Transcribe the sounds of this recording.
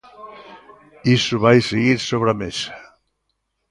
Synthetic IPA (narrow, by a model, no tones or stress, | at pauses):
isuβajseɣiɾsoβ̞ɾames